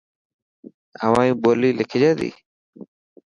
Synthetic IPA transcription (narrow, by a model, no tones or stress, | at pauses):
ə̰ʋãːjũːboːliːlɪkʰd͡ʒaːd̪ḭː